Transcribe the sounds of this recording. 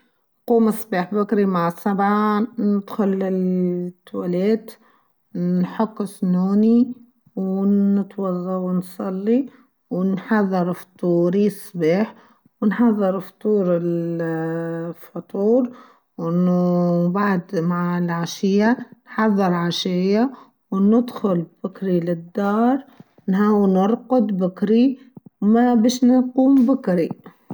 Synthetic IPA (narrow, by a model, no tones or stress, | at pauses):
nquːmɪsˤːbiːħbakɾimaʕsːabʕanɪd̪xʊlːɪt̪ːwaleːt̪ | nħʊkːɪsnuːni | wnɪt̪wɑðˤːɑwnsˤɑlːi | wnħɑðˤːɨɾft̪ˤuːɾisˤːbiːħ | wnħɑðˤːɨɾft̪ˤuːɾɪl | fɑt̪ˤuːɾ | wʔɪnbaʕd̪maʕɪlʕaʃɪjːanħɑðˤːɨɾˤʕaʃajːa | wnɪd̪xʊlb̥ɪkɾilɪd̪ːɑːɾˤ | nhawnɪɾˤqʊd̪bɪkɾi | wmabiːʃnɪquːmbʊkɾi